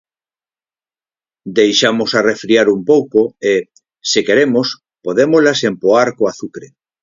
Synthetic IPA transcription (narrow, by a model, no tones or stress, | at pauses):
d̪ejʃamosarefɾiaɾumpowkoe | sɪkeɾemos | poðemozlasempoaɾkoaθukɾe